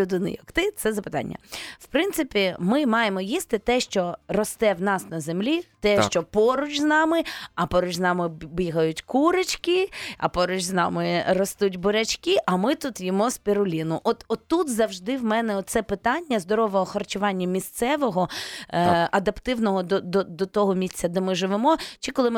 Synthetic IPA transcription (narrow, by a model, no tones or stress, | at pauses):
ʊd̪ɪnɪ̰jɐkt̪ɪt̪sɛzɐpɪ̥t̪ɑ̰nʲːɐ̰wpɾɪnt̪sɪpʲimɪmɑjemɔjist̪ɪt̪ɛʃt͡ʃɔrɔst̪ɛwnɑsnɐzemlʲit̪ɛʃt͡ʃɔpɔɾʊt͡ʃʲznɑmɪɐpɔɾʊt͡ʃʲznɑmɪbʲiɦɐjʊtʲkuɾɪt͡ʃkɪɐ̰pɔɾʊt͡ʃznɑ̰mɪrɔst̪utʲbʊɾʲɐt͡ʃkiʔɐmɪt̪ut̪jɔmɔspʲeɾʊlʲinʊʔɔt̪ɔt̪ːut̪zɐwʒd̪ɪwmɛnɛɔt̪t̪sɛpɪt̪ɑnʲːɐzd̪ɔɾɔʋɔɦɔxɐrt͡ʃʊʋɑnʲːɐmʲist̪sɛʋɔɦɔ | ɐd̪ɐpt̪ɪwnɔɦɔd̪ɔd̪ɔd̪ɔt̪ɔɦɔmʲisʲt͡sʲːɐd̪ɛmɪʒɪʋemɔt͡ʃɪkɔlˠɪm